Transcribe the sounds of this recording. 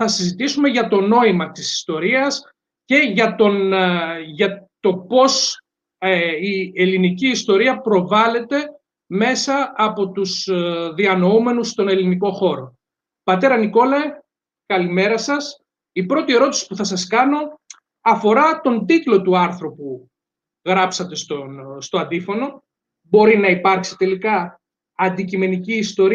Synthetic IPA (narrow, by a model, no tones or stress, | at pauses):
θɐsizit̪isume̞ʝɐt̪o̞no̞imɐt̪isi̥st̪o̞ɾiɐs | ce̞ʝɐt̪o̞n | ʝɐt̪o̞po̞s | ie̞liniciːst̪o̞ɾiɐpɾo̞vɐle̞t̪e̞ | me̞sɐːpo̞t̪usðiɐno̞ume̞nust̪o̞ne̞liniko̞xo̞ɾo̞ | pɐt̪e̞ɾɐniko̞lɐ | kɐlime̞ɾɐsɐs | ipɾo̞t̪ie̞ɾo̞t̪i̥si̥puθɐsɐskɐno̞ | ɐfo̞ɾɐt̪o̞nd̪it̪lo̞t̪uɐɾθɾo̞pu | ɣɾɐpsɐt̪e̞st̪ost̪o̞ɐnd̪ifo̞no̞ | bo̞ɾinɐipɐɾksi̥t̪e̞likɐː | nd̪icime̞niciːst̪o̞ɾi